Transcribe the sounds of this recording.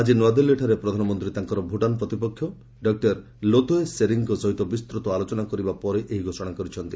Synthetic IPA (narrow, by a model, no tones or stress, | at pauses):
ad͡ʒinwad̪elːeʈʰaɾepɾɔd̪ʱanɔmɔnt̪ɾit̪aŋkɔɾɔbʱuʈanpɾɔt̪ipɔkʰːjɔ | ɖɔk̚ʈaɾ | lot̪oeseɾiŋkɔsɔɦit̪ɔbist̪ɾɔt̪ɔalot͡ʃɔnakɔɾibapɔɾeʔeɦiɡʱosɔɽ̃akɔɾit͡ʃʰɔnt̪i